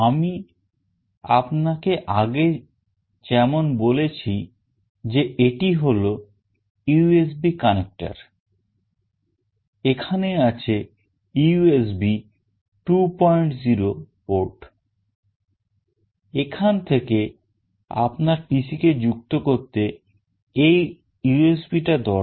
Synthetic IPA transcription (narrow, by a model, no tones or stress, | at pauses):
ami | a̰pnakeʔaɡe | t͡ɕɛmonbolet͡ɕʰi | d͡ʑeeʈiɦolo | ues̬bikanek̚ʈa̰ɾ | ekʰaneat͡ɕʰe | uues̬bi | ʈupɔjɳʈziɾo | poɾʈ | ekʰant̪ʰeke | a̰pnaɾʈisiked͡ʑukt̪okoɾt̪e | ej | juesbiʈad̪ɔ